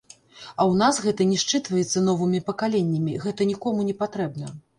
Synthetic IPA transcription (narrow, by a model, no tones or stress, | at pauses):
ɐwn̪asɣɛt̪ɐnʲɛʂt͡ʂɨt̪vɐjɛt̪sːɐnɔvɨmʲipɐkalʲenʲːɐmʲiɣɛt̪ɐnʲikɔmunʲɛpat̪ɾɛb̚nɐ